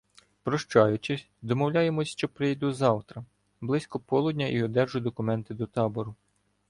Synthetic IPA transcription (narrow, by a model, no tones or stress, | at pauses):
pɾɔʃt͡ʃɑjʊt͡ʃɪsʲd̪ɔmɔwlʲɑjemɔsʲʃt͡ʃɔpɾɪjd̪uzɑwt̪ɾɐ | blˠɪsʲkɔpɔlˠʊdʲnʲɐʔiɔd̪ɛrʒʊd̪ɔkʊmɛnt̪ɪd̪ɔt̪ɑbɔɾʊ